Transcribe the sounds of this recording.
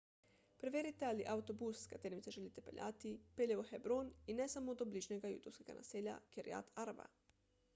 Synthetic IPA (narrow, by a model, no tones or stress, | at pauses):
pɾeʋʲeɾit̪ealiʔaut̪o̞busːkat̪eːɾimseʒelit̪epḛʎʲʔa̰ːt̪ipeʎeʋoxebɾoninesamod̪obliːʒneɡajṵːt̪uwskeɡa̰nʔa̰seːʎa̰keɾḭa̰t̪ʰaɾba̰